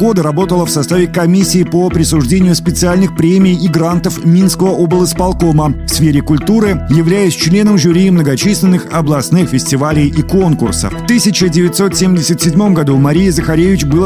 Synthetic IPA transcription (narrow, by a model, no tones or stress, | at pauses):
ɡo̞d̪əɾɐbo̞t̪əlˠəfsɐst̪avʲɪkɐmʲisʲːɪːpopɾʲɪsʊʐdʲenʲɪjʊspʲɪt̪sɨalʲnɨxpɾʲemʲɪjɪiɡɾant̪əfmʲinskəvəʔobɨlˠɨspɐlˠko̞məfsfʲeɾʲɪkʊlʲt̪uɾɨjɪvlʲæjɪsʲt͡ɕlʲe̞nəmʐʊɾʲiːmnəɡɐt͡ɕisʲlʲɪnːɨxɐblˠɐsnɨxfʲɪsʲtʲɪvalʲɪjʔiko̞nkʊ̰rsə̰fft̪ɨsʲɪt͡ɕədʲɪvʲɪt̪ʲso̞t̪sʲemʲdʲɪsʲət̪sʲɪdʲmo̞mɡɐd̪umɐɾʲijəzəxɐɾʲevʲɪt͡ɕbɨlˠ